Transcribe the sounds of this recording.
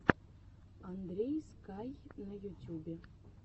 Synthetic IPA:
and̪rʲejskɑjnajutʲjubʲe

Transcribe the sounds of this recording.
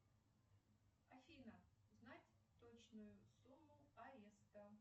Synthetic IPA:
afʲinɐznatʲ | t̪ɔt͡ʃnʊjʊsumːʊpaɛst̪ɐ

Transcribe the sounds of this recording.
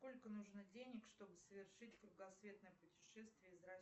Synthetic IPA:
ko̞lʲkənuʐnɨdʲenʲɪkʂt̪o̞bɨsəvʲɪrʂɨtʲkɾʊɡˠɐsvʲe̞t̪nəjəpʊtʲɪ̥ʂɛst̪vʲɪjəzrɐ

